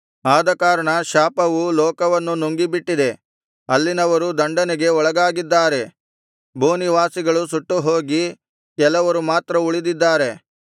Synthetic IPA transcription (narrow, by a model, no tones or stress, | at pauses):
aːd̪ɐkaːɾɐɳɐʃaːpɐʋulɔːkɐʋɐnːunoŋɡibiʈːid̪e̞ | ɐlːinɐʋɐɾud̪ɐɳɖɐneɡe̞ɔɭɐɡaːɡid̪ːaːɾe̞ | bʱuːniʋaːsiɡɐɭusuʈːuɦo̞ːɡi | kɛlɐʋɐɾumaːt̪ɾɐuɭid̪id̪ːaːɾe̞